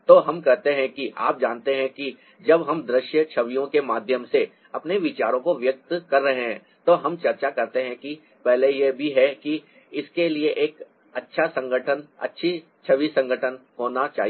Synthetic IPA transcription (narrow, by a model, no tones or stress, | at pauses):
t̪oːɦɐmkɛɦt̪eɦɛ̃kiʔa̰ːp̚d͡ʒaːnt̪eɦɛ̃ki | d͡ʒɐbɦɐmd̪ɾɪʃjət͡ʃʰəʋijõkemaːd̪ʱjəmse | ɐpneʋɪt͡ʃaːɾõkoʋjək̚t̪kɐɾːɐɦeɦɛ̃ː | t̪oːɦɐmt͡ʃɐɾt͡ʃakɐɾt̪eɦɛ̃ki | pɛɦlejebʱiɦɛki | ɪskelieʔeːk | ɐtːʃʰasɐ̃ŋɡʱəʈʰənɐ̰tːʃʰi | t͡ʃʰɐʋisɐ̃ŋɡʱəʈʰənhoːnat͡ʃa̰ːɦi